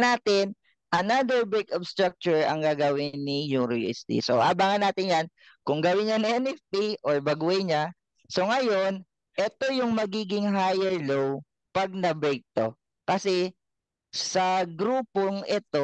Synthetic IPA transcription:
naːt̪ɪn | ʔɐnad̪ɛɹbɛjkobst̪ɾak̚t͡ʃʊɹɐ̰ŋɡaːɡɐwɪnːijuɾiɛ̰st̪ḭso̰ʔaːbaːŋɐnːaːt̪ɪnjan | kʊŋɡɐwɪɲɐniɛnɛft̪iʔoɹbɐɡuɛɲa | so̞ŋɐjo̞n | ʔɛt̪o̞jʊŋmɐɡiːɡɪŋɦajɛɹlow | pɐɡ̚nɐbɛjk̚t̪o̞̰ | kɐsɛ | sɐɡɾuːpoŋʔɛt̪o

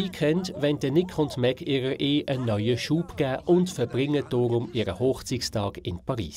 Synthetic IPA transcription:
iːkʰɛndʋɛnd̥ənɪkʰʊntmɛkʰɪːɾəɾʔeːʔənːœʏəʃuːpɡ̥æːʔʊntfəb̥ʁɪŋəd̥ɔːɾʊmɪːɾə̰hoːχt͡sikstʰɑːɡɪnpʰɑʁḭːs

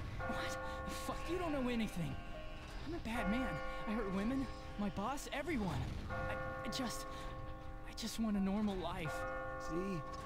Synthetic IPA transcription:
wʌtfʌkjɨɾõʊ̃nːoʊɛniθɪ̃ŋ | ãɪ̃mɨbæd̚mæ̃naɪɦɜ˞d̚wɪ̃mɨ̃n | maɪbɔsɛvɹiwʌ̃naɪaɪd͡ʒʌst | aɪd͡ʒʌst̚wɑ̃ñɨnɔɹml̩ˠlaɪfsi

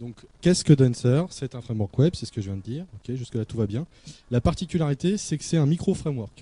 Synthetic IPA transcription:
d̪ɔ̃kːʲɛskəd̪ɔnsœʁsɛt̪ɛ̃fχɛmwɔʁkwɛbsɛsə̥kəʒəvjɛ̃d̪əd̪iːʁɔkʲeʒyskəlat̪uvabjɛ̃ | lapaʁt̪ikʲylaʁit̪esɛkə̥sɛt̪ɛ̃mikχofχɛmwœʁk

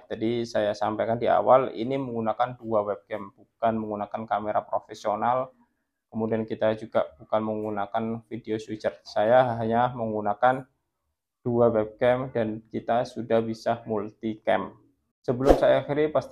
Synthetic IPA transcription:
d͡ʒadisajasampajkandia̰walḭniməŋɡunakanduawɛb̚kɛmb̥ukanməŋɡunakankameɾapɾofesional | kəmudiankit̪ad͡ʒuɡab̥ukanməŋɡunakanfideoswit͡ʃərsajaɦaɲaməŋɡunakan | d̥uawɛb̚kɛmdankit̪asudahbisamult̪ikɛ̰m | səbəlʊmsajaːxiɾipast̪

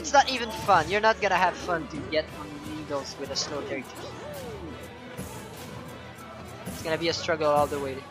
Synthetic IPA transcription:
ɨtsnəɾivɨ̃nfʌ̃njə˞nət̚ɡ̥ʌnɨɨv̥fʌ̃ntʰɨɡɛɾə̃nlɪ̃ŋɡl̩ˠzwɪðəsnoʊdɛɹitʰɪ | ɨtsɡ̥ʌnɨbiɨstɹ̥ʌɡl̩ˠɔlˠðəweɪɾ

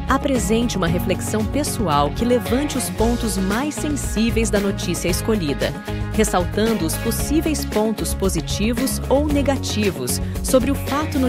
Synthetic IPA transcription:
apɾezẽnt͡ʃɪũmɐɦefleksɐ̃w̃pesuawkɪlevɐ̃nt͡ʃɪʊspõnt̪ʊzmajsẽsivejzd̪ɐnot͡ʃisiɐɪskoʎid̪ɐ̰ | hesawt̪ɐ̃nd̪ʊːsposivejspõnt̪ʊspozit͡ʃivʊsowneɡat͡ʃivʊ̰sː | obɾɪʊfat̪ʊnʊ

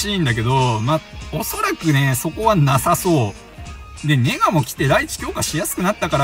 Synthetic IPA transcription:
ĩːnd̪ak̬e̞d̪o̞maoso̞ɾakɯ̟ne̞so̞ko̞βanasaso̞ː | d̪e̞ne̞ɡamo̞kʲi̥t̪e̞ɾait͡ɕi̥kʲo̞ːkaɕijasɨ̥kɯnat̪ːakaɾa

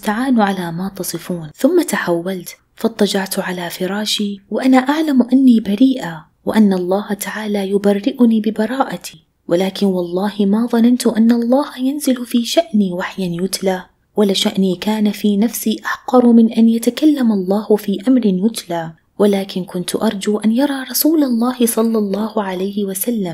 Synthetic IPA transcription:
ɪst̪aʕaːnʕalamaːt̪ɑsˤɨfuːnθʊmːat̪aħawːalt̪ | fɑt̪ˤːɑd͡ʒɑʕt̪ʕalafɪɾˤɑːʃiwɪʔanaʔaʕlamʔanːiːbaɾiːʔa | wɪ̰ʔanːɑlˤːɑːht̪aʕaːlajʊbarːɪʔʊniːbɪbɑɾˤɑːʔat̪ʰi | wʔɪlaːkɪnwɑlˤːɑːhɪmaðˤɑnant̪ʊʔanːɑlˤːɑːhajanzɪlfiːʃaʔniːwaħjanjʊt̪laː | walaʃaʔniːkaːnafiːnafsiːʔaħqɑɾˤmɪnʔanjat̪akalːamɑlˤːɑːhʊfiːʔamɾɪnjʊt̪laː | walaːkɪnkʊnt̪ʔɑɾˤd͡ʒuʔanjɑɾˤɑːɾˤɑsuːlalˤːɑːhɪsˤɑlːɑlˤːɑːhʊʕalajhɪwasalːam

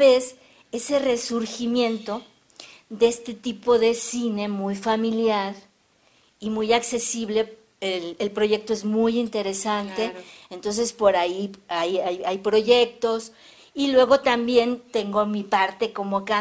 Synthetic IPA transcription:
es | e̞se̞re̞suɾximjẽ̞nt̪o̞ | ðeest̪e̞t̪ipo̞ðe̞sine̞mujfamiljaɾ | imujakse̞siβle̞ | elelpɾo̞ʝe̞k̚t̪o̞e̞zmujint̪e̞ɾe̞sant̪e̞ent̪o̞ns̬e̞spo̞ɾaiajajajpɾo̞ʝe̞k̚t̪o̞s | ilwe̞ɣo̞t̪ambje̞nt̪e̞ŋɡo̞mipaɾt̪e̞ko̞mo̞ka

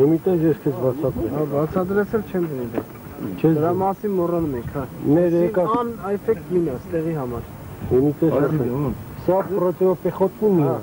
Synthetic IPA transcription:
ɦumit̪ɛzjɛskʰɛt͡sbɑt͡sʰɑd̪ɾɛɑbɑt͡sʰɑd̪ɾɛt͡sʰɛlt͡ʃʰɛmvənid̪ɑ̰ | t͡ʃʰɛəɾɑmɑsinmɔrɑnumɛŋkʰhɑmɛɾɛkɑɑnɛfɛk̚t̪minɑst̪ɛʁiɦɑmɑɾ | ɦumit̪ɛɛɛsɑprɔt̪ɛɾɔpɛχɔt̪ʰnimin

